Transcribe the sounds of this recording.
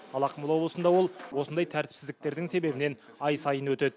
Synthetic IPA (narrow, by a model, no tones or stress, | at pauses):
ɑlˠɑqʰəməlˠɑwblˠəsənd̪ɑwo̞lˠwo̞sənd̪ɑjt̪ʰæɾt̪ɪ̥psɪzd̪ɪk̚t̪e̞ɾd̪ɪŋse̞be̞bɪne̞n | ɑjsɑjənwɵt̪e̞d̪ɪ